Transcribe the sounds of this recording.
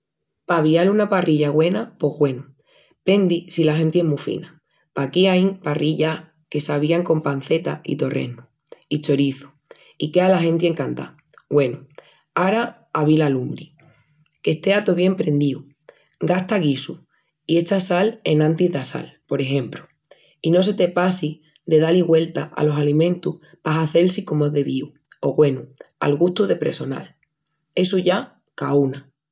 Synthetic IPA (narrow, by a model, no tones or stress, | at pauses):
paβialunaparʔiʎaɣwe̞napo̞ɦɣwe̞nu | pe̞nd̪isilaɦe̞nt̪ieɦmufḭna | pakiaiŋpariʎa | ke̞saβiaŋko̞mpan̟θe̞t̪aḭt̪o̞re̞̰nu | it͡ʃo̞ɾiθu̥ | ikealaɦẽ̞nt̪ie̞ŋkant̪a̰ | ɡwe̞nu | aɾaː | βilalumbɾi | ke̞ht̪e̞at̪oβje̞mpɾẽ̞nd̪iu | ɡast̪aɣisu | ie̞t͡ʃasale̞nãnt̪iðasa̰lpo̞ɾe̞ɦẽ̞mpɾu̥ | ino̞s̬e̞t̪e̞pasi | d̪e̞ðaliɣwe̞lt̪aa̰lo̞salimẽnt̪uh | paɦaθe̞lsiko̞moezðe̞βiu | o̞ɣwe̞nua̰lɣuht̪uðe̞pɾe̞̰so̞na̰l | e̞suʝa | kauna